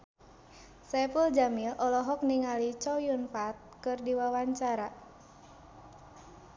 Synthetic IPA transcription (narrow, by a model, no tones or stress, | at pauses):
sɛpuld͡ʒamilʔɔlɔɦɔk̚niŋalit͡ʃɔjunpat̪̚kɨrdiwawaɲt͡ʃaɾa